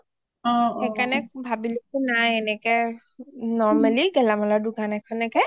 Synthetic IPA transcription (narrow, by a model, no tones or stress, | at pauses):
ɔ̃ɛkanɛbʱabilesunajɛnɛkɛ | nɔɹmaliɡɛlamɔladuɡanɛkʰɔnɛkɛ